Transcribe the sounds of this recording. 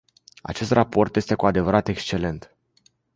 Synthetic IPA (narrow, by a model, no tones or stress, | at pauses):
a̰t͡ʃe̞st̪rʔapo̞rt̪jest̪e̞kuad̪e̞vəɾat̪e̞kst͡ʃe̞le̞nt̪